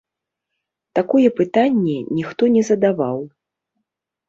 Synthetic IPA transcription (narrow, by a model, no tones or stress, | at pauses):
t̪akɔjɛpɨt̪anʲːɛnʲixt̪ɔnʲɛzɐd̪avaw